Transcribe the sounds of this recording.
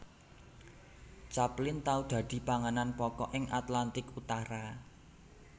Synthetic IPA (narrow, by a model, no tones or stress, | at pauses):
t͡ʃaplɪnt̪aud̪̥a̤d̪̥i̤paŋənanpɔkɔʔɪŋʔat̪lant̪ɪkut̪aɾa